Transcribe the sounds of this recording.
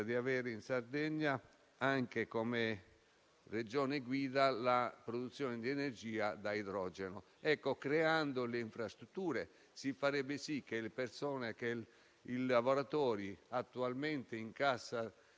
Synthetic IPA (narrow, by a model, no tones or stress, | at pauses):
d̪iavɛːɾeinsard̪ɛɲːa | aŋkekome | red͡ʒɔːneɡwiːd̪alapɾod̪ut̪sːjɔːnɪd̪iɛnerd͡ʒiːad̪aid̪ɾɔːd͡ʒeno | ɛkːokɾeand̪oleiɱfɾast̪ɾut̪ːuːɾe | sifːaɾɛbːɪsikːelepersɔːneke | ilavoɾat̪ɔːɾiat̪ːualment̪eiŋkasːa